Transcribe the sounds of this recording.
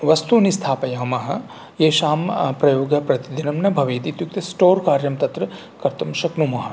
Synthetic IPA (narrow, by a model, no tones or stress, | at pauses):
ʋɐst̪unist̪ʰaːpɐjɐmɐɦɐ̆ | jeːʃaːmpɾɐjoːɡɐpɾɐt̪id̪inɐmnɐbʱɐʋeːt̪it̪juk̚t̪ɐsʈoːɾkaːɾjɐmt̪ɐt̪ɾɐ | kɐɾt̪ɐmʃɐknumɐɦɐ